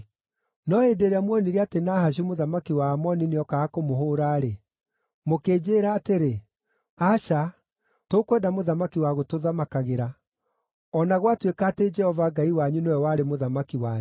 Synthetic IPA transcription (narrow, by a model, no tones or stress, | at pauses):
nɔhedeɾeamwɔniɾeatenaːhaɕ̬umoðamakiwaːmɔnineɔkaɣakomoɦoɾaːɾe | mokeːd͡ʑeːɾaːteɾe | aʃa | tokwɛdamoðamakiwaɣotoðamakaɣeɾa | ɔnaɣwatwekaːted͡ʒɛhɔvaɡaiwaɲunowɛwaːɾemoðamakiwa